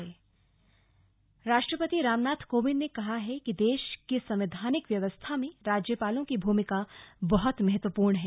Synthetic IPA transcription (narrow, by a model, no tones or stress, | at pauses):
eː | ɾaːʃʈɾəpət̪iɾaːmnaːt̪ʰkoːʋɪnnːekɐɦaɦɛkid̪eːʃkisɐ̃mʋɪd̪ʱaːnɪkʋjɐʋəst̪ʰamẽɾaːd͡ʒjəpaːlõkibʱuːmɪkabɐɦɔt̪mɐɦət̪ʋəpuːɾɳɦɛː